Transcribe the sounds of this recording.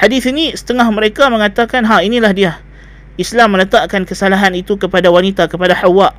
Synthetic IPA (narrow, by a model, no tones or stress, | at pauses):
hadiθinisə̥t̪əŋahməɾekamə̃ŋat̪akanɦainilahdia | islamːələt̪aʔkankəsalaɦanit̪ukəpadawanit̪akəpadahawaʔ